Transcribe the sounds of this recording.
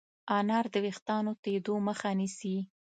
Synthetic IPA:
ɑnɑɾd̪əwext̪ɑnot̪ed̪oməxanisi

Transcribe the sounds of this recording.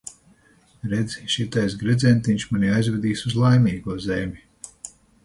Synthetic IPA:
ɾɛd̪zʲiʃit̪ajsɡɾɛd̪zɛnt̪iɲʲʃmanʲiajzvʲɛd̪iːsuzlˠajmiːɡuɔzʲɛmʲi

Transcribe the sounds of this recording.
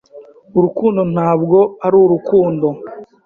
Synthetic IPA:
uɾukuːndo̞naːbɡo̞aɾuɾukuːndo̞

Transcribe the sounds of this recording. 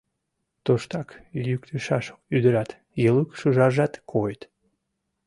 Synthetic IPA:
t̪oʃt̪ɑkjyk̚t̪ʰəʃɑʃyd̪əɾɑt̪ | jəlukʃuʒɑʒɑt̪kʰojt̪

